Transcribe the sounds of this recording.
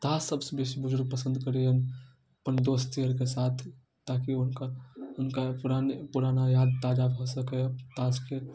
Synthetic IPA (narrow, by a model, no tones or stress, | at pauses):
t̪asəbsebesibʊd͡ʒʱɾupəsə̃nd̪kəɾeən | əpənd̪ost̪ijəɾkesat̪ʰ | t̪akiʊnkaʊnkapuɾanepuɾanajad̪̚t̪ad͡ʒabʱɔsəkɛət̪aske